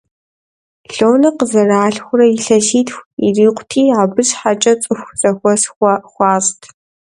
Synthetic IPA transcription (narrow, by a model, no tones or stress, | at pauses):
ɬoːwnɐqəzɐraːɬxʷʊrɐjɪɬɐʃiːtxʷiriːqʷʰʼtʰiːaːbɨɕħat͡ʃʼɐt͡sʼɨxʷzɐxʷɔsxʷɑxʷɑːstʰ